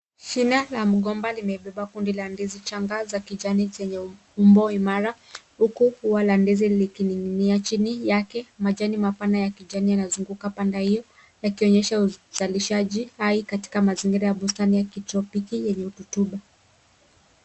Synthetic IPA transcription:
t͡ʃinalam̩ɠɔmbalimɛɓɛɓakundilandɛzit͡ʃaŋɡazakiʄanizɛɲɛ | umbɔimaɾahukuhuwalandɛzilikiniŋɡiniat͡ʃinijakɛmaʄanimapanajakiʄanijanazuŋɡukapandahijɔ | jakiɔɲɛʃauz̥aliʃaʄihaikati̥kamaziŋɡiɾajaɓustanijakitɾɔpikijɛɲɛututuɓa

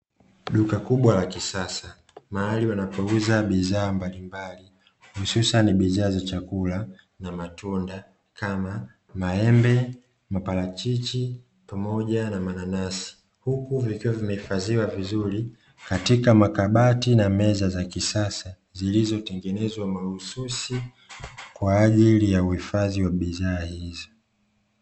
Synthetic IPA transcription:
ɗukakuɓwalakisasa | mahaliwanapɔuzaɓizaːmbalimbali | hususaniɓizaːzat͡ʃakula | namatunda | kama | maɛmbɛ | mapalat͡ʃit͡ʃi | pamɔʄanamananasi̥ | hukuvikiwavimɛhifaziwavizuɾi | katikamakaɓatinamɛzazakisasa | zilizɔtɛŋɡɛnɛzwamahususi | kwaːʄilijauhifaðiwaɓizaːhizɔ

